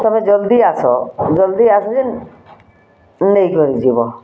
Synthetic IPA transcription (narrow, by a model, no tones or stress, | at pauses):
t̪ɔmed͡ʒɔld̪iasɔd͡ʒɔld̪iasɔd͡ʒen | nejkɔɾid͡ʒibɔ